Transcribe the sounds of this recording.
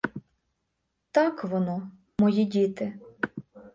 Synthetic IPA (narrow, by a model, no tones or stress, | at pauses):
t̪ɑkʋɔnɔ | mɔjidʲit̪ɪ